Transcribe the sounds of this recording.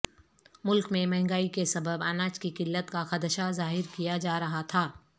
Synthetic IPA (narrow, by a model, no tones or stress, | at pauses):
mʊlkmẽmɛ̃ɦŋɡaːikesɐbəbaːnaːt͡ʃkikɪlːət̪kaxɐd̪əʃazaːɦɪɾkijad͡ʒaːɾɐɦat̪ʰaː